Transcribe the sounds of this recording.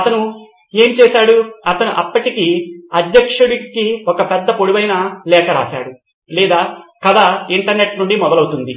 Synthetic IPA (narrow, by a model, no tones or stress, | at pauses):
ɐt̪ɐnu | eːmt͡ʃɛːsaːɽuɐt̪ɐnuʔɐpːɐʈikiɐd̪jɐkʂuɽikiɔkɐpɛd̪ːɐpoɽiʋɐjnɐlɛːkɐɾa̰ːʃa̰ːɽu | liːd̪aːkɐd̪aːiɳʈɐɾne̞ʈnuɳɖimɔd̪ɐlɐwut̪und̪i